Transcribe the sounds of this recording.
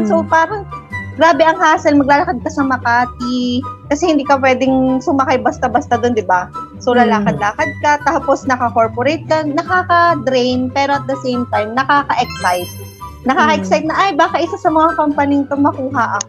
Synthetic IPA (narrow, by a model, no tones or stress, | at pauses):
sopaːɾɐŋɡɾaːbɛʔɐŋhaːsɐlmɐɡ̚laːlɐkɐd̪̚kɐsɐmɐkaːt̪̚ikɐsɛhɪnd̪iːkɐp̬wɛːd̪ɪŋsʊmɐkajbɐst̪abɐst̪ad̪ond̪ɪbasolɐlaːkɐd̪laːkɐd̪̚kɐt̪aːposnɐkɐkoɹpoɾɛjt̪̚kɐnɐkaːkɐd̪ɾɛjnpɛːɾo̞ʔɐt̪̚d̪ɐsejmt̪ajmnɐkaːkɐʔɛksajt̪̚ | nɐkaːkɐʔɛksajt̪nɐʔajbaːkɐʔɪsasɐmɐŋakompɐnint̪oŋmɐkuːɦɐʔɐko